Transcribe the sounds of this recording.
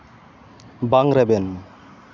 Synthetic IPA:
baŋɾɛbɛn

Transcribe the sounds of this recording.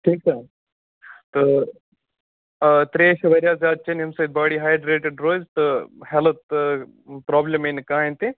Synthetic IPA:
ʈʰiːk̚t͡ʃaː | t̪ɐ | t̪ɾeːʃɐʋɐɾʲjaːzaːd̪̚t͡ʃɐnɐmsɐt̪̚baːɽiːɦaːjɖɾeːʈeɖɾoːzt̪ɨhɛlət̪ | pɾɔːblʲemenkãːẽnt̪e

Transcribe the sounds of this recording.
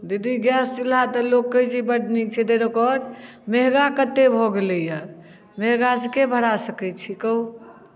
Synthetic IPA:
d̪id̪iɡjɛst͡ʃilat̪əlokːəjd͡ʒʰibəɽ̤ʱnit͡ʃʰɛd̪eɾəkɔɾ | meɦɡakət̪ːebʱoɡelɛjə | meɦɡasekebʱəɽasəkɛt͡ʃʰikəw

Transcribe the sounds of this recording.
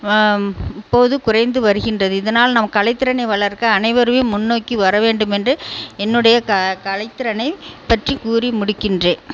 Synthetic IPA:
ɪpːoːðɯkʊrɐɪnd̪ɯʋɐɾɯɣɪndrɐðɯɪðɐnaːlnɐmːɐkːɐlɐɪt̪ːɪɾɐnɐɪʋɐɭɐɾkɐɐnɐɪʋɐɾɯʋemʊnːoːkːiʋɐɾɐʋeːɳɖɯmɛndrɯɛnːɯɽɐjɐkkɐlɐɪt̪ːɪɾɐnɐɪpːɐʈrikuːrimʊɽɪkːɪndreː

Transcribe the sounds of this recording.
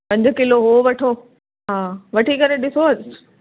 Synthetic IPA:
pɐ̃ɲd͡ʑkɪloɦoʋɐʈʰoː | ɦãːʋɐʈʰikɐɾeɗɪsoɐd͡ʑ

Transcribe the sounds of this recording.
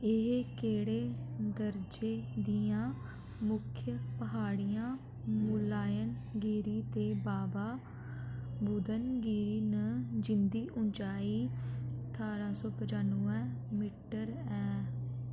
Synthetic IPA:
ɪɦkeːɽeːd̪əɾd͡ʒeːd̪ijãː | mʊkʰjəpəɦaːɽijãː | mʊːlaːjən | ɡiːɾiːt̪eːbaːbaː | bud̪ənɡiːɾiːnəd͡ʒɪnd̪iːʔʊnt͡ʃaːiːəəʈʰaːɾaːsɔːpəd͡ʒaːnuːɛ̃ː | miʈəɾɛː

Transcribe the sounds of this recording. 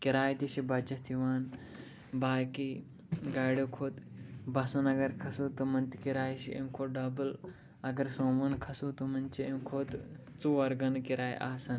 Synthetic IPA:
kiɾaːjt̪iʃibɐt͡ʃɐt̪ʰiʋaːn | baːki | ɡaːɽokʰoːt̪bɐsɐnɐɡɐɾkʰɐsut̪ɐmɐnt̪ikiɾaːjʃḭḛmkʰoːɖɐbɨl | ɐɡɐɾsõːʋɐnkʰɐsut̪omɐnt͡ʃiemkʰoːt̪ | t͡suʋɐɾɡɐnkiɾaːj̰ʔa̰ːsɐn

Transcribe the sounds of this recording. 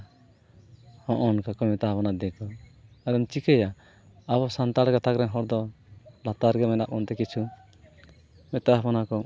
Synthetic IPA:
hɔ̃ʔɔnkakɔmɛt̪apɔnad̪ɛkɔaɾɛmt͡ʃikɛja | aβɔsant̪aɽkat̪akɾɛɲɦɔɽd̪ɔlat̪aɾɡɛmɛnaʔɔnt̪ɛkit͡ʃʰu | mɛt̪aɦpɔnakɔ

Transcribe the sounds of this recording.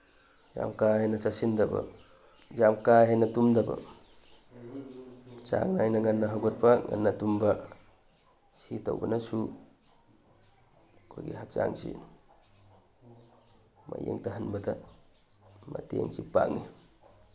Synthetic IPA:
d͡ʒa̰mkaɦejnɐt͡ʃasindɐbɐ̰ | d͡ʒamkaɦenɐtumdɐbɐ̰ | t͡ʃa̰ŋnajnɐŋanːɐɦaɡɔt̚paŋa̰nːatumbɐ | sito̰wbɐ̰nɐsu | kʰojɡḭɦak̚t͡ʃa̰ŋsḭ | majḛŋtɐɦɐnbɐda | matiḛŋsipa̰ŋi

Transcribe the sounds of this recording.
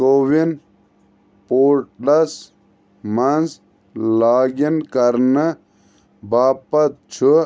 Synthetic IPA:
kowin | poːʈlɐs | mɐnz | laːɡinkɐɾnə | baːpɐt̪̚t͡ʃʰu

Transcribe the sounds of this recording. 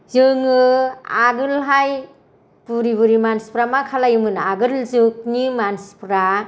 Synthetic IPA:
zɯŋɯa̰ɡɯlɦaj | puɾiβuɾimanspɾamakʰalajɯmɯnaɡɯlzɯk̚nimanspɾa

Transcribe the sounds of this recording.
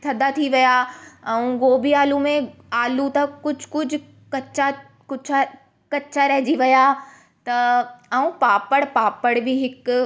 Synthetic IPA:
t̪ʰɐd̪ʱat̪ʰiʋijaɛ̃ũɡoːbiaːlũmẽ | aːlũt̪ɐkʊd͡ʑʱkʊd͡ʑʱʊ̆ | kɐt͡ɕa | kʊd͡ʑʰa | kɐt͡ɕaɾɐɦd͡ʑiʋɐja | t̪ɐɛũpaːpəɽpaːpəɽbɪɦɪk

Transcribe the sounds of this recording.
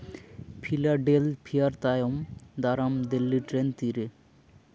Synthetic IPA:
pʰilaɖelpʰijaɾt̪ajomd̪aɾamd̪elːiʈɾent̪iɾe

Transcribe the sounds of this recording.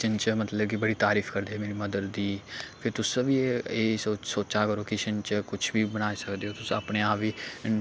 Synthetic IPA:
t͡ʃənt͡ʃmət̪ləbkibəɽiːt̪aːɾiːfkəɾd̪eːɛmeːɾiməd̪əɾd̪iːpʰɪɾt̪ʊsəbieːsosoːt͡ʃakəɾoːkɪt͡ʃənt͡ʃkʊt͡ʃʰbiːbənaːesəkd̪eːɦoːt̪ʊsəpneːaːpiː

